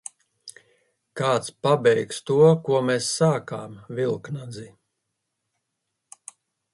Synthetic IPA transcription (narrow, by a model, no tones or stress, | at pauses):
kaːt̪spabɛjkst̪uɔkuɔmesːaːkaːmvilˠknad̪zi